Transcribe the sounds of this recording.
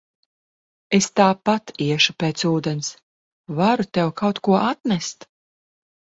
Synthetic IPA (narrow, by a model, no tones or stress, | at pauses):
est̪aːpat̪iɛʃupeːt̪suːd̪ɛns | vaɾut̪ʲɛwkawt̪kuɔʔat̪nɛst̪